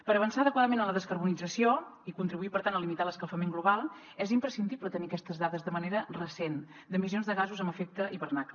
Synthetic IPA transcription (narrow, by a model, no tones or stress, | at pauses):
pəɾəβənsaəðəkwaðəmenələðəskəɾβunid͡zəsioikunt̪ɾiβuipəɾt̪ant̪əlimit̪aləskəlˠfəmeŋɡluβalˠ | ɛzimpɾəsind̪iβlət̪əniəkɛst̪əzðaðəzðəməneɾərəsen | d̪əmizionzðəɣazuzəmbəfɛk̚t̪əʔiβərnaklə